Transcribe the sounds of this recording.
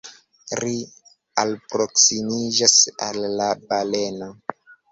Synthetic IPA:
ɾi | alpɾoksimid͡ʒasa̰lːabaleno

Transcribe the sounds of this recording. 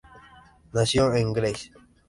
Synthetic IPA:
nasjoeŋɡles

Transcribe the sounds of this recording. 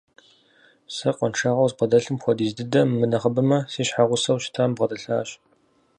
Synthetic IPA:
sɐqʷɔnʈ͡ʂʰaːʁɐwzqɐdɐɬɨmxʷɔdiːzdɨdɐmːɨnɐχəbɨmɐsiːɕħaʁʷʊsɐwʃɪ̥tʰambʁɐdɐɬaːɕ

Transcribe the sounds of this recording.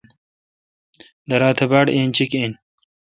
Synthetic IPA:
d̪ɐɾaːt̪ʰebaɽeːnt͡ɕiken

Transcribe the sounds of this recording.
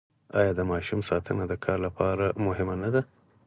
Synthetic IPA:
ɑ̰jɑd̪əmɑʃumsɑt̪ʰənad̪əkʰɑɾlapʰɑɾamʊɦɪmanad̪a

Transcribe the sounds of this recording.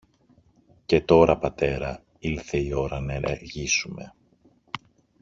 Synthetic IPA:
ce̞t̪o̞ɾɐpɐt̪e̞ɾɐ | ilθe̞io̞ɾɐnɐeneɾʝisume̞̰

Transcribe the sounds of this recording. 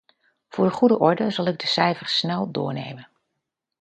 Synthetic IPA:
v̥ʊːɹdəχudəʔɔɹdəzɑlˠɪɡ̚dəsɛjvəɹsnɛlˠdʊ̰ːɹnḛjmən

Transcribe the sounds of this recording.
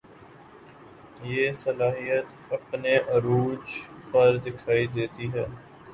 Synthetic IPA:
jeːsəlaːɦijət̪ | ɐpneʔɐɾuːd͡ʒpɐɾd̪ɪkʰaːid̪eːt̪iɦɛː

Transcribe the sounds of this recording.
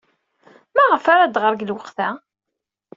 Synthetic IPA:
mæʁəfaɾad̪ʁəɾɡəlwəqθæ

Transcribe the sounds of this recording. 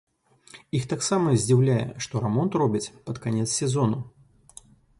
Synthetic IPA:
ixt̪aksamɐzʲd͡zʲiwlʲajɛ̰ʂt̪ɔɾɛmɔnt̪rɔbʲit͡sʲpɐt̪kanʲɛt̪ssʲɛzɔnu

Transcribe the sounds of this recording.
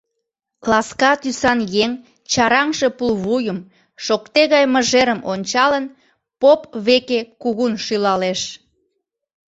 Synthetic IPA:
klɑskɑt̪ysɑnjeŋ | t͡ɕɑɾɑŋʃe̽pulβujəm | ʃokt̪eɣɑjməʒeɾəmʔonʲt͡ɕɑlən | popβekekuɣunʃylɑleʃ

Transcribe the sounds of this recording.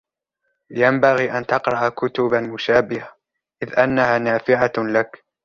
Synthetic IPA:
jambaɣiːʔant̪ɑqɾˤɑʔakʊt̪ʊbamʊʃaːbɪha | ʔɪðʔanːahaːnaːfɪʕalak

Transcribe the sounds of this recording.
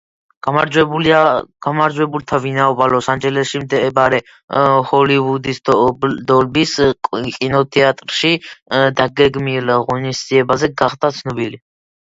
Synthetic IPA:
amaɾd͡ʒwɛ | ɡamaɾd͡ʒwɛbult̪ʰavinaɔbalɔsand͡ʒɛlɛʃimd̪ɛbaɾɛ | hɔlivud̪isd̪ɔlbiskʼinɔt̪ʰɛat̪ʼɾʃid̪aɡɛɡmilʁɔnisd̪ziɛbazɛɡaχd̪at̪sʰnɔbili

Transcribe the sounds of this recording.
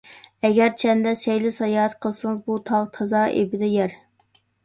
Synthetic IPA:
ɛɡʲɛɾt͡ʃʰɛnd̪ɛsɛjlɪsɑjɑːɛt̪qʰəlˠsɨŋɨzbut̪ʰɑʁt̪ʰɑzɑːʔḛbɪd̪ɛjɛɾ

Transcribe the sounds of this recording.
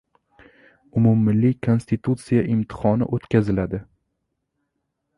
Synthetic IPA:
ʊmumːɪlːɪkʰo̞nst̪it̪ʰut̪sijaʔɪmt̪ʰɪ̥χɒnɪ̰ʔot̪kʲʰazɪlad̪ɪ

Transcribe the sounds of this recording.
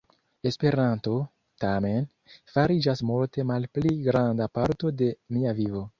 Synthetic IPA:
e̞spe̞ɾanto̞ | tame̞n | faɾid͡ʒasmulte̞malpliɡɾandapaɾto̞de̞miavivo̞

